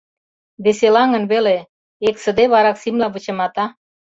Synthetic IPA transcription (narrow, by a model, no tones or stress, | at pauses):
βeselɑŋə̆nβele | eksə̆d̪eβɑɾɑksimlɑβət͡ɕə̆mɑt̪ɑ